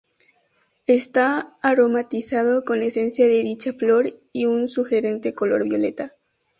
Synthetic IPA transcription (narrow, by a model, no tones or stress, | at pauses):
est̪aːɾo̞mat̪isað̞o̞ko̞ne̞se̞nsjaðe̞ðit͡ʃaflo̞ɾiunsuxe̞ɾe̞nt̪e̞ko̞lo̞̰ɾβjo̞le̞̰t̪a